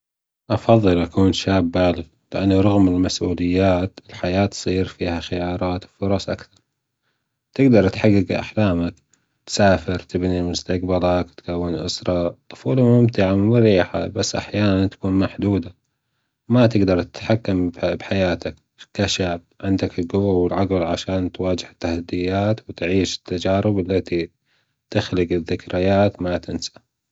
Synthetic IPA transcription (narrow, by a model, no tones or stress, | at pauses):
ʔɑfɑðˤːɨlʔakuːnʃaːbːaːlɪɣ | lɪʔanːuɾˤɑɣmɪlmasʔuːlɪjːaːt̪ɪlħajaːt̪sˤiːɾfiːhaxɪjɑːɾˤɑːt̪wfʊɾˤɑsˤʔa̰kθɑɾˤ | t̪ɪɡd̪ɑɾˤt̪ħaɡːɪɡʔa̰ħlaːmak | t̪saːfɪɾt̪ʰɪbnimʊst̪aqbalɑkt̪kawːɪnʔʊ̰sɾˤɑt̪ˤʊ̥fuːlamʊmt̪ɪʕamɪɾiːħa̰basːʔa̰ħjaːnant̪ḁkuːnmaħd̪uːd̪a | mat̪ɪɡd̪ɑɾˤt̪ɪ̥t̪ħakːambbħajaːt̪ak | k̪aʃabʕɪnd̪akɪlɡʊwawɪlʕaɡɪlʕaʃaːnt̪waːd͡ʒɪhɪt̪ːahad̪ːɪjːaːt̪wt̪ʕiːʃɪ̥t̪ːad͡ʒaːɾɪbalːat̪i | t̪ɪxlɪɡɪðːɪkɾɪjaːt̪mat̪ɪnsḁ